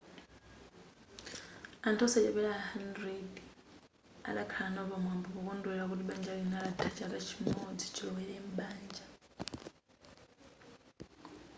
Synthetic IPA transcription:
antʰɔsɛt͡ʃɛβɛlaɦandɾɛd | a̰ɗakʰalanaβamwambɔkɔkɔnduɛɺak̬utiɓand͡ʒalinalatʰat͡ʃakat͡ʃʰimod͡zi̥t͡ʃʰilɔwɛlɛm̩ɓaːnd͡ʒa

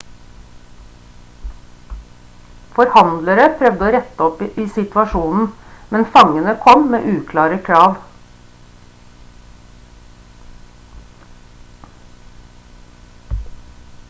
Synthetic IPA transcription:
fɔɾhɑnd̪ləɾəpʰɾœʋd̪əoːɾɛt̪əɔpʔiːsɪt̪ʋɑʃuːnn̩mɛnfɑŋənəkʰɔmmḛːʔʉːkʰlɑːɾəkʰɾɑːʋ

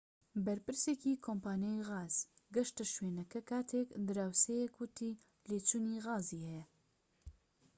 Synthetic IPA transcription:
bɐɾpɨɾsekiːkʰompaːnejiɣaːz̥ɡɐʃt̪ɐʃweːnɐkɐkʰaːt̪ʰekd̪ɨɾaːwsejekwʊt̪ʰiː | leːt͡ʃuːniɣaːziːhɛjɛ

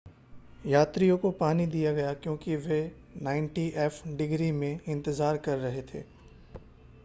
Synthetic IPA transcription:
jaːt̪ɾijõkopaːnid̪ijaɡɐjakjõːkiʋe | nãːɪ̃ɳʈiʔɛːfʰɖɪɡɾimẽɪ̃nt̪əzaːɾkɐɾːɐɦet̪ʰḛː

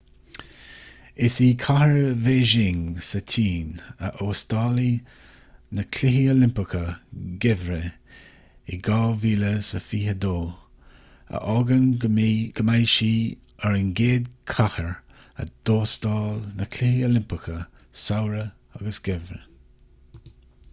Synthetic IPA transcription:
ɪsiːkʰahəɹveːʒɪŋsətʰiːnə̰ʔoːst̪ɑːli | nəkʰlɪɦiolɪmpəkʰəɡɪvɾə | ɪɡɑːviːləsəfiːhəd̪oː | ə̰ʔɔɡənɡ̥əmajʃiː | əɹənɡeːd̪kʰahəɹ | ə̰d̪̥oːstɑːlnəkʰlɪhiolɪmpəkʰə | sawɾə | aɡəsɡ̥ɪvɾə

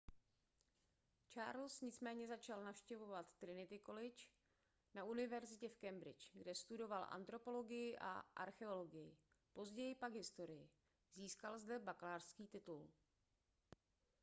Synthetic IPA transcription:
t͡ʃaːɾlsɲɪt͡smɛːɲɛzat͡ʃalnafʃcɛvo̞vat̪ːɾɪnɪt̪ɪko̞lɪt͡ʃ | naʔunɪvɛɾzɪcɛfkɛmbɾɪ̰t͡ʃɡdɛst̪udo̞valʔa̰nt̪ɾo̞po̞lo̞ɡɪjɪʔa̰ʔa̰ɾxɛo̞lo̞ɡɪjɪ | po̞zɟɛjɪpaɡɦɪst̪o̞ɾɪjɪ | ziːskalzdɛbaklaːrskiːt̪ɪt̪ul

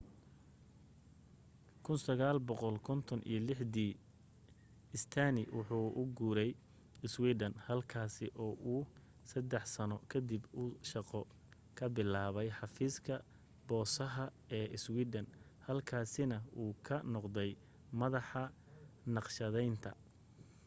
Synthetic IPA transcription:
kʰʊnsɐɣaːlbɔqɔlkʰɔnt̪ʰɔnʔḭjɞlɪħd̪iː | ɪst̪ʰanɪwʊħuːʔʊɡuːɾɛj | ɪswiːd̪ɐnhɐlkʰaːsɪʔɔːʔuː | sɐd̪ɛħsɐnɔkʰɐd̪ibʊʃɑqɔ | kʰɐbɪlaːβɛjħɑfiːskʰɐ | b̥ɔːsɐɦɐ | ɛːʔɪswiːd̪ɐn | hɐlkʰaːsɪnɐuːkʰɐnɔqd̪ɛj | mɐðɑħɑ | nɑqʃɐðɛjnt̪ʰɐ̰

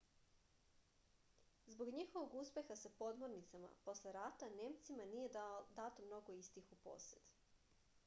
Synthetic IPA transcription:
zbo̞ɡɲixo̞ʋoɡuspe̞xasapo̞d̪mo̞ɾnit̪sama̰po̞sleɾaːt̪aneːmt̪simanije̞d̪at̪omno̞ɡo̞ist̪ixupo̰ːsed̪

